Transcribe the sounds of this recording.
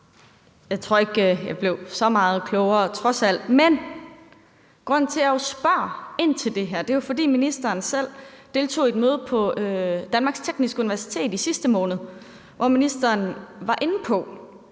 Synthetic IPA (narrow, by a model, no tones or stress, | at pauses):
jɑ̈ɪt͡sʰʁo̝̰ɐ̰e̝ɡ̥øjɑ̈b̥le̝ʊsɒ̽mɑ̈ːð̞̩ˠkʰlɔʊɐt͡sʰʁɒ̽sæl̰d̥men | ɡ̥ʁɔ̽n̰n̩t͡sʰe̝æosb̥ɶɐ̰e̝n̰t͡sʰe̝ld̥e̝ɦæɐ̰d̥e̝jofɒ̽d̥ḭːminisd̥ɐːnsel̰d̥e̝ːlt͡sʰo̝̰ːe̝d̥̚møːð̞̩ˠpʰɒ̽ød̥ænmɑ̈ɡ̥st͡sʰeɡ̥nisɡ̥əuniʋæɐsi̥t͡sʰe̝̰ːd̥isisd̥əmɔ̽ːnð̞̩ˠ | ʋɒminisd̥ɐːnʋɑ̈ʔe̝n̩pʰɒ̽